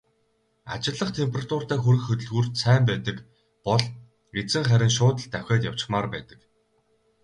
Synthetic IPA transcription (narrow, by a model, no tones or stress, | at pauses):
a̰t͡ɕɪ̆ɮːə̆χt̪ʰempʰerat̪ʰʊr̥t̪æːxuɾɘ̆xɵt̪ɵ̆ɮɣuːrt̪sæːmpæːt̪ə̆k | pɔɮ | ɡet͡sɘ̆ŋχæɾʲɪ̆nʃ̬ʊːt̪ə̆ɬt̪ːæwxʲɔːt̪jaw̥t͡ɕɪ̥̆χmaːrpæ̰ːt̪ə̆k